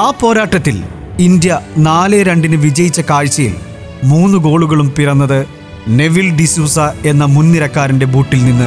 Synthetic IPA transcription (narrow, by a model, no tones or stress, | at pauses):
aːpo̞ːɾaːʈːɐt̪ːil | ind̪jɐnaːleɾeɳɖinɨʋid͡ʑɐjit͡ɕːɐkaːɻt͡ɕːɐjḭl | muːnːuɡo̞ːɭuɣɐɭumpiɾɐnːɐðɨ | ne̞ʋilɖisuːsɐe̞nːɐmunːiɾɐkːaːɾinde̞buːʈːilninːɨ